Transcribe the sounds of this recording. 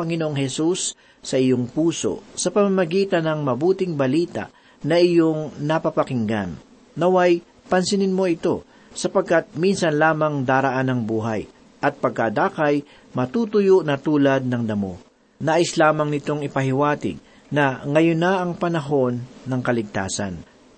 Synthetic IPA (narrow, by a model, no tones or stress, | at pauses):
pɐŋɪnoʔoŋhɛsusː | ɐʔɪjo̞ŋpuːso̞̰sɐpɐmamɐɡiːt̪ɐnɐŋmɐbuːt̪ɪŋbɐliːt̪a̰ʔ | nɐʔɪjoŋnɐpɐpɐkɪŋɡa̰nː | ɐwɐj | pɐnsɪnɪnmo̞ʔɪt̪o̞ | sɐpɐɡ̚kat̪̚minsɐnlaːmɐŋd̪aːɾɐʔanɐŋbuːɦa̰j | ʔɐt̪̚pɐɡ̚kad̪aːkɐj | mɐt̪uːt̪ʊjoʔnɐt̪uːlɐd̪̚nɐŋd̪ɐmo̞̰ | naːʔɪslaːmɐŋnɪt̪o̞ŋɪpɐɦɪwaːt̪ɪ̰ɡ̚ | nɐŋɐjonːɐʔɐŋpɐnɐɦo̞nːɐŋkɐlɪɡ̚t̪a̰ːsɐ̰n